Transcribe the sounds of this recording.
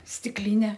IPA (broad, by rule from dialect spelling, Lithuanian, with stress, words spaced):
sʲtʲɪkˈlʲɪnʲɛ